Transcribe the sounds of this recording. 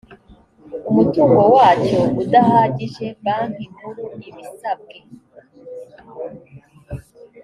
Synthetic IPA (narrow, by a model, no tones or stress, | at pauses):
umutuːŋɡo̞waːt͡ʃoβudahaɟiʒe̞mbaŋ̥imuɾuniβisab̚ɡe